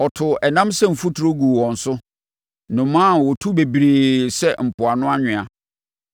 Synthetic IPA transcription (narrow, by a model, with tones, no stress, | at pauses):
ɔ˨tʰʊ˨ɛ˨nã˦msɛ˦m̩˨fu˦tʰʊ˨ɾo˦ɡu˨wɔ̃˨n̩˨sʊ˦ | nʊ̃˨mãː˦˨wʊ˨tʰu˦be˨bi˨ɾeː˨sɛ˦m̩˨pʰʊ˨a˨nʊ̃˦a˦ɲᶣɪ̃˨a˨